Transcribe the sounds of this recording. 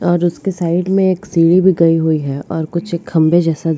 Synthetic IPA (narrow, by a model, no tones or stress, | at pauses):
ɔːɾʊskesaːɪɖmẽeːksiːɽibʱiɡɐiɦuiɦɛɔːɾkʊt͡ʃʰeːkhɐ̃mbed͡ʒɛːsa